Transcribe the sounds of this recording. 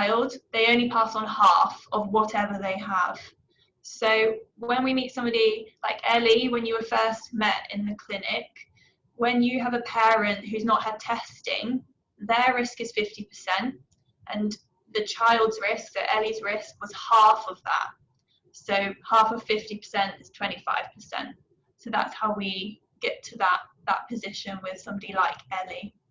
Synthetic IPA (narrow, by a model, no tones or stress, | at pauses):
ɪlˠdðeɪə̃ʊ̃nlipʰɑˑsn̩hɑˑfəvwɒtʰɛvəðeɪəv̥ | soʊwə̃nwimiˑtsʌ̃mbɒɾilaɪkɛliwə̃njəwəfɜˑstmɛtɪ̰̃nðəkʰl̥ɪnɪk | wə̃njəəvəpʰɛːɹɨ̃nʔɦʉznəʔhəd̚tʰɛstɪ̰̃ŋ | ðəɹɪskɨz̥fɪftipʰə̥sɛ̃nt | ʔə̃n | ðət͡ʃʰaɪlˠdz̥ɹɪsk̚ə̰ʔɛlizɹɪskwɒz̥hɑˑfəvðə̰t | soʊhɑˑfəv̥fɪftipʰə̥sɛ̃ntɪz̥tʰw̥ɛ̃ntifa̰ɪv̥pʰəsɛ̰̃nʔ | soʊða̰tshaʊwi | ɡ̥ɛtʰəðəʔðə̰ʔ̚pʰəzɪʃə̃nwɪð̥sʌ̃mbɒɾilaɪkɛli